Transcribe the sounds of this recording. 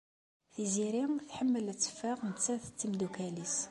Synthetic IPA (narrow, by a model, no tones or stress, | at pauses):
θiziɾimθħəmːəlæt͡sːə̥faʁmət͡sːæθə̥t͡sːimd̪ukælis